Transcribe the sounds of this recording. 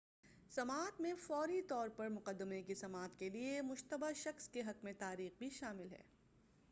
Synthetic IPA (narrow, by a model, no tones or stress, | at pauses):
sɐmaːt̪mẽfɔːɾit̪ɔːɾpɐɾmʊqəd̪ːəmekisɐmaːt̪keliemʊʃt̪əbaʃɐxskeɦɐkmẽt̪aːɾiːxbʱiʃaːmɪlɦɛ̰ː